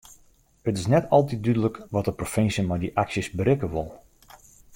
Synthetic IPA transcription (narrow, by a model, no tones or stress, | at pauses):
ətɪsnɛtɔlˠtit̚dydələkʋɔtəprofɪnsjəmajdiʔaksjəsbəɾɪkəʋʊlˠ